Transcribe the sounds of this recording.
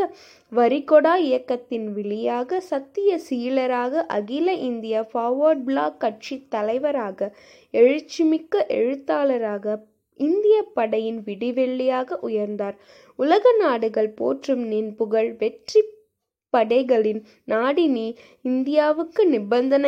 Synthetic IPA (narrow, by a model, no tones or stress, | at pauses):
ɐ | ʋɐɾɪkɔɽaːɪjɐkːɐt̪ːɪnʋɪɭɪjaːɣɐsɐt̪ːɪjɐsiːlɐɾaːɣɐʔɐɣɪlɐʔɪnd̪ɪjafaːʋɐɾɖ̚bɭaːkːɐʈ̚t͡ʃit̪ːɐlɐɪʋɐɾaːɣɐ | ɛɻɯt͡ʃːɪmɪkːɐʔɛɻɯt̪ːaːlɐɾaːɣɐ | ɪnd̪ɪjɐpːɐɽɐjɪnʋɪɽɪʋɛɭːɪjaːɣɐʔʊjɐɾnd̪aːɾ | ʊlɐɣɐnaːɽɯɣɐɭpo̰ːʈrɯmnɛnbɯɣɐɭʋɛʈri | pːɐɽɐɪɣɐɭɪn | naːɽɪniː | ɪnd̪ɪjaːʋɯkːɯnɪbɐnd̪ɐnɐ